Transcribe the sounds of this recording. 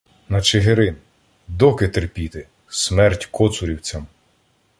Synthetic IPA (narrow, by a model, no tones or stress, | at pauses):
nɐt͡ʃeɦeɾɪn | d̪ɔkɪt̪erpʲit̪ɪ | smɛrtʲkɔt̪sʊɾʲiwt͡sʲɐm